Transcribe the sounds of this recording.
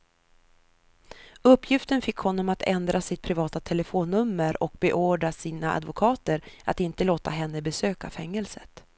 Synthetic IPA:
ɵpːjɪft̪ənfɪkːhɔnːɔmat̪ʰɛnd̪ɾasɪt̪̚pʰɾɪvɑːt̪at̪ʰɛləfoːnːɵmːəɾɔk̚bɛʔoːɖɾasiːnaa̰d̪vʊkʰɑːt̪əɾa̰t̪ɪnt̪əloːt̪aɦɛnːəbɛsøːkafɛŋːɛlsət̪

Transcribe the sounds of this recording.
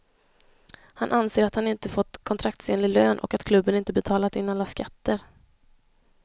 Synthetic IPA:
hanʔanseːɾat̪hanɪnt̪əfɔt̪ːkʰɔnt̪ʰɾak̚t̪seːnlɪløːnʔɔ̰kat̪kʰlɵbːənɪnt̪əbɛt̪ʰɑːlat̪ɪnːalːaskat̪ːəɾ

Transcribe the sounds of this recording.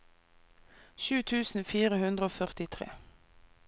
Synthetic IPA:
ʃʉːt̪ʰʉːsn̩fiːʁəhʉnd̪ʁəoːfœʁt̪ɪt̪ʰʁḛː

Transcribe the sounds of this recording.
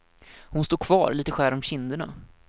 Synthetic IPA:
hʊnst̪uːkʰvɑ̰ːɾliːt̪əɧæːɾɔmɕɪnd̪əɳa̰

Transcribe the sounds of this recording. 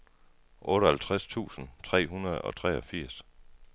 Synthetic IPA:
ʔɔ̽ːɾəhælt͡sʰʁast͡sʰṵːsn̩t͡sʰʁɛ̰ːɦunɐð̩ˠɒ̽t͡sʰʁɛːɒfiɐ̰s

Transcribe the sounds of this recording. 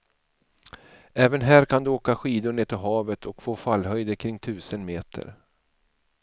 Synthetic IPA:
ɛːvənɦæːɾkʰand̪ɵoːkaɧiːd̪ʊɳeːt̪ʰɪlɦɑːvət̪ʰɔkfoːfalːhœjd̪əkʰɾɪŋt̪ʰʉ̟ːsənmeːt̪ʰə̰ɾ

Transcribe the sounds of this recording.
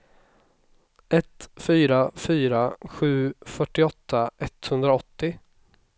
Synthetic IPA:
ɛt̪fyːɾafyːɾaɧʉ̟ːfœʈːɪɔt̪ːaʔɛt̪hɵnd̪ɾaɔt̪ːɪ

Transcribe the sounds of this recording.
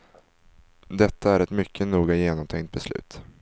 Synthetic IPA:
d̪ɛt̪ʰːaæɾɛt̪mʏkʰːənuːɡajeːnɔmt̪ʰɛŋkt̪̚bɛslʉ̟̰ːt̪

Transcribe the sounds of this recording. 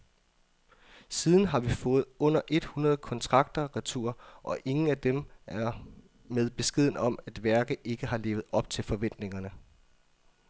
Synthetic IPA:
siːð̞ˠn̩ɦɑ̈ʋifɔ̽ːð̞̩ˠɔ̽n̰ɐʔe̝d̥hunɐð̞̩ˠkʰɒ̽nt͡sʰʁɑ̈ɡ̥̚d̥ɐʁit͡sʰṵːɐʔɒ̽ʔe̝ŋn̩æd̥emʔæɐ | meðˠb̥e̝sɡ̥e̝ð̞̰ˠn̩ɒ̽mæd̥ʋæɐɡ̥ðe̝ɡ̥əɦɑ̈le̝̰ːʊð̩ˠɒ̽b̥̚t͡sʰe̝lfɒ̽ʋen̰d̥ne̝ŋɐnə

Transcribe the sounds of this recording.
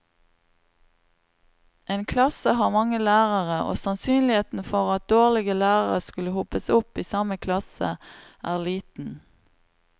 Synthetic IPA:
ʔeːnkʰlɑsəhɑːʁmɑŋəlæːʁəʁəʔo̰ːsɑnsyːnlɪheːt̪n̩fɔʁɑt̪̚d̪oːʁlɪɡəlæːʁəʁəskʉləhʊpəsʊpiːsɑməkʰlɑsəʔæːʁliːt̪n̩

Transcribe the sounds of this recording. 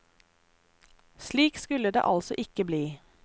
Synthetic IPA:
sliːkskʉləd̪ḛːʔɑlsɔʔɪkəbliː

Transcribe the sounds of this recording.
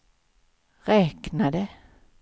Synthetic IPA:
ʁɛːknad̪ə

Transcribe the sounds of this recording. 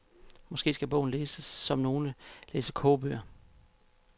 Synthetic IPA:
mɒ̽sɡ̥e̝̰ːsɡ̥æb̥ɔ̰̽ʊ̰n̩leːsəsːɒ̽mno̝ːnəleːsəkʰoːb̥yɐ

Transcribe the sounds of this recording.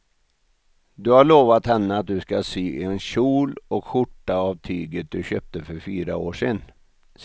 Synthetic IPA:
d̪ɵhaɭoːvat̪hɛnːəat̪̚d̪ɵskasiːɛnɕuːlɔkɧʊʈːaːvt̪ʰyːɡət̪̚d̪ɵɕøːp̚t̪əfœɾfyːɾa̰oːʂen | s

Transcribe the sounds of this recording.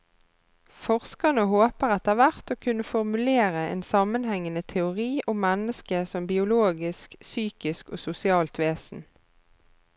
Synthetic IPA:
fɔʁskɑnəɦoːpəʁɑt̪̚eːæːʁʋæʁt̪oːkʰʉnːəfɔʁmʉleːʁəḛːnsɑmənhɛŋːənət̪ʰɛʊʁiːʔʊmːɛnəskəsɔmbɪʊloːɡɪsksyːkɪskoːsʊsɪɑːlt̪ʰʋeːsn̩

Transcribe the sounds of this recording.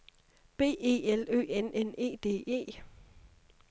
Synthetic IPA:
b̥e̝̰ːe̝̰ːelø̰ːenʔene̝̰ːd̥e̝̰ːe̝̰ː

